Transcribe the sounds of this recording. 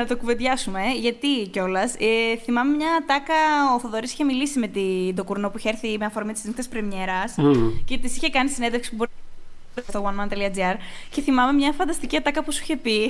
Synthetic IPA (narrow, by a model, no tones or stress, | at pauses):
nɐt̪okuved̪ʝɐsume̞ʝɐt̪ico̞lɐsθimɐmemɲɐt̪ɐkɐoθoðo̞ɾisi̥çe̞milisime̞t̪it̪o̞kuɾno̞puiçeeɾθimeɐfo̞ɾmit̪isik̪t̪espɾemɲe̞ɾɐsce̞t̪isiçe̞kɐnisined̪efksi̥pubo̞ɾin | eest̪owɐnmɐnt̪eliɐd͡ziɐɾce̞θimɐme̞mɲɐfɐnd̪ɐst̪iciɐt̪ɐkɐpusi̥çe̞pi